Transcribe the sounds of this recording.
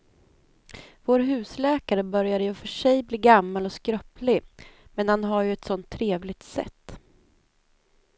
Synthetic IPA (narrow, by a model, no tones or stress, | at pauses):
voːɾɦʉ̟ːslɛːkaɾəbœɾjaɾəjɵfœʂɛjbliːɡamːalɔskɾœplɪmɛnhanɦaɾjɵɛt̪sɔnt̪ʰːɾeːvlɪɡ̚t̪sɛ̰t̪ː